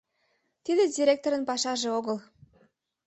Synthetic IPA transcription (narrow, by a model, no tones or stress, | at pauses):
t̪id̪ĕdʲiɾʲek̚t̪oɾənpɑʃɑʒeoɣəl